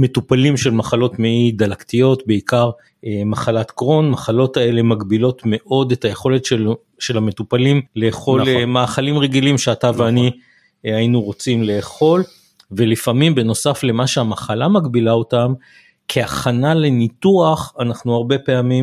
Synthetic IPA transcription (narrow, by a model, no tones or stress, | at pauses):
me̞tupalimʃe̞lmaχalo̞tmeid̪alaktijo̞tbe̞ikaʁ | emaχalat̪ɡʁo̞nmaχalo̞tae̞le̞maɡbilo̞tme̞ʔo̞de̞taje̞χo̞letʃe | ʃe̞lame̞tupalimle̞ːχo̞lemaːχalimʁe̞ɡilimʃeataveani | ainuʁo̞t͡simle̞ːχo̞l | ve̞lifamimbe̞no̞safle̞maʃeamaχalamaɡbilao̞tam | kʰeaχanale̞nituaχanaχnuaʁbe̞peamim